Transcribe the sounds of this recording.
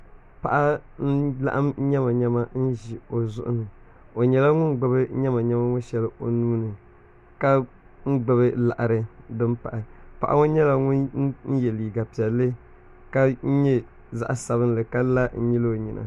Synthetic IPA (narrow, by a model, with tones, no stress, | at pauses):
pa˨ʔa˦n̩˦la̰˦ʔa˦m˦ɲɛ˦ma˨ɲɛ˦ma˦n̩˦ʒi˨o˨zʊ̰˦ʔʊ̰˦nɨ˨ | o˨ɲɛ˨la˦ŋʊ˦nɡ͡bɨ˨bɨ˦ɲɛ˦ma˨ɲɛ˦ma˦ŋʊ˦ʃɛ˦lɨ˨ʔo˨nuː˦nɨ˨ | ka˦ | ŋ̩˦ɡ͡bɨ˨bɨ˦la˨ʔa˨ɾɨ˦dɨ˦mpa˨ʔa˨pa̰˨ʔa̰˨˦ŋo˦ɲɛ˦la˨ŋʊ˦n˦n̩˦jɛ˨li˨ɡa˨pi˨ɛ˨lːɨ˦ | ka˦n̩˦ɲɛ˦ | za̰˨˦ʔa˨sa˨βɨ˦n˦lɨ˨ka˦la˦n̩˦ɲi˦lo˨ɲi˨nʔa̰˨